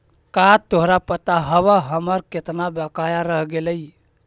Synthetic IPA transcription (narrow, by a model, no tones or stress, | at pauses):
kat̪oɦɾapət̪aɦəβəɦəməɾket̪nabəkajaɾəɦɡeləj